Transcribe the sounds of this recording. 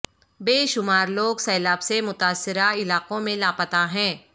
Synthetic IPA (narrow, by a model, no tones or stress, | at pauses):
beːʃʊmaːɾloːɡsɐːlaːbsemʊt̪aːsːɪɾaɪlaːqõmẽlaːpət̪aɦɛ̃ː